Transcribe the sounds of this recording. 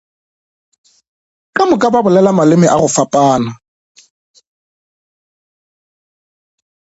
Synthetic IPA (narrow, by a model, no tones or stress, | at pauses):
kʼamʊkʼababʊlɛlamalɪmɪʔaɣʊfapʼaːna